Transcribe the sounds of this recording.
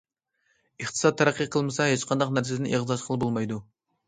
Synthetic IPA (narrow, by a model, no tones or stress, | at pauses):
əχt̪ʰɨ̥sɑt̪ʰːæɾæqʰːiqʰəlˠmɨsɑɦet͡ʃqʰɑnd̪ɑqnæɾsed̪ɪnʔeʁzɑʃqʰəlˠɨbolˠmɑjd̪u